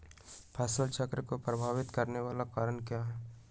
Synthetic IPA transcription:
pʰaːsəlt͡ʃʰəkɾəkopɾɐbʱaːʋɪt̪kɐɾneʋaːlakaːɾəɳkjaːɦɛː

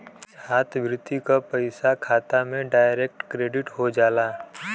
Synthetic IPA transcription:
haːt̪ʰbʱɾɪt̪ikapɐɪsakʰaːt̪amẽɖaːɪɾek̚ʈkɾeːɖɪʈɦod͡ʒaːlaː

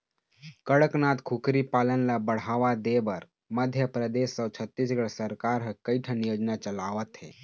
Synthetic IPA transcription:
kəɽəknat̪kʰukɾipaːlənlabəɽ̤aʋad̪ebəɾ | məd̪ʱjəpɾəd̪esːəwt͡ʃʰət̪ːisɡəɭsəɾkaɾɦəkəjʈʰənjoːd͡ʒnat͡ʃəlaʋət̪ɦḛː

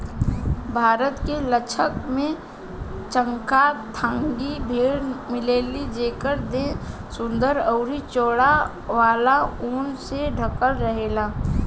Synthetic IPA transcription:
bʱaːɾət̪kelət͡ʃʰəkmẽ | t͡ʃə̃ŋkat̪ʰãːŋɡibʱeːɽmɪleːlid͡ʒeːkəɾd̪ẽsʊ̃nd̪əɾɔʊɾit͡ʃoːɽa | ʋaːlauːnseɖʱəkəlɾəɦeːlaː

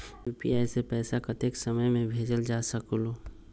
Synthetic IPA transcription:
juːpḭaːjsepɛːsakət̪eːksɐməjmẽbʱeːd͡ʒəld͡ʒaːsɐkoloː

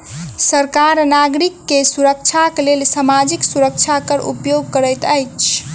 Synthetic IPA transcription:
səɾkaɾnaɡɾikːesuɾək̚t͡ʃʰaklelsamad͡ʒiksuɾək̚t͡ʃʰakəɾṵpjoɡ̚kəɾəjt̪əjt͡ʃʰ

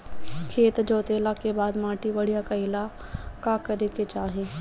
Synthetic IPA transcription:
kʰeːt̪d͡ʒoːt̪eːlakebaːd̪mãːʈibɐɽijakaɪla | kakɐɾeket͡ʃaːɦeː

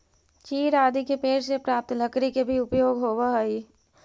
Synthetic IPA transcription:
t͡ʃiːɾaːd̪ikepeːɾsepɾaːp̚t̪ləkɾikebʱiʊpjoːɡɦoːwaɦəi

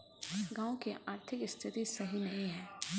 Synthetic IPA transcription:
ɡãːõkiʔaːɾt̪ʰɪkɪst̪ʰɪt̪isɐɦinɐĩɦɛ̃ː

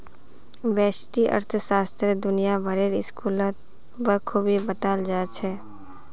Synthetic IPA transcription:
ʋɛːʃʈiʔə̰ɾt̪ʰsaːst̪ɾed̪ʊnijaʋɐɾeːɾɪskuːlət̪̚ | bəkʰubibət̪aːld͡ʒaːt͡ʃʰɛː

